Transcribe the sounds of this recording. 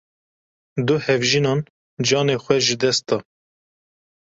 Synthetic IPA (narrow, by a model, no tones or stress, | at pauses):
d̪ʊhɛvʒinɑːn | d͡ʒɑːneːxʷɛʒɨd̪ɛst̪ɑː